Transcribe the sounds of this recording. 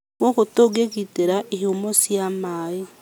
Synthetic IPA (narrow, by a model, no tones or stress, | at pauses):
kwokutoɡekiteɾaʔihumosjamaji